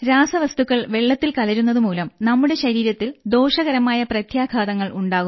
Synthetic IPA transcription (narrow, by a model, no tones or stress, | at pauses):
ɾaːsɐʋɐst̪ukːɐɭʋe̞ɭːɐt̪ːilkɐlɐɾunːɐðɨmuːlɐmnɐmːuɽe̞ɕɐɾiːɾɐt̪ːild̪o̞ːʂɐɣɐɾɐmaːjɐprɐt̪ʰjaːɡʱaːðɐŋːɐɭuɳɖaːɣu